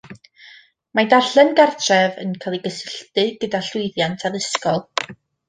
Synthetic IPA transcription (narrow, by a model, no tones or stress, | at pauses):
madaɬɛnɡartʰrɛvə̰nkʰalˠiɡəsɪɬtɨɡ̥ədaɬʊjðjantʰaðɪskɔlˠ